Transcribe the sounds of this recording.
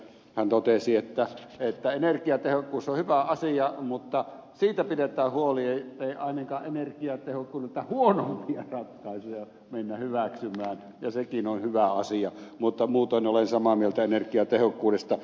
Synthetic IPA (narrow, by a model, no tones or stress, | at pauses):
hænt̪ot̪esiet̪ːæet̪ːæenerkiɑt̪ehokːuːsːohyʋæɑsiɑmut̪ːɑ | siːt̪æpidet̪ˑæːhhuolieit̪ːeiɑˑinɑŋkɑːʔʔenerkiɑt̪ehokːuːnuĕt̪ːæhuonompiɑrɑt̪kɑisuɑ | menːæhyʋæksymˑæːn | jɑsekinonhyʋæɑsiɑmut̪ːɑmuːt̪onolensɑmɑmielt̪æenerkiɑt̪ehokːuːdest̪ɑ